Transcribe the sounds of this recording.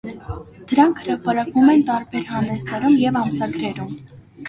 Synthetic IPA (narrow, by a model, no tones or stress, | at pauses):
d̪̥əɾɑŋkʰhəɾɑpɑɾɑkvumɛnt̪ɑɾbɛɾhɑnd̪ɛsnɛɾumjɛvɑmsɑɡɾɛɾum